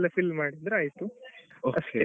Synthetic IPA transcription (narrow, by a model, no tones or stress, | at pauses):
lːɐfilmaːɽid̪ɾuaːjt̪uoɐsʈe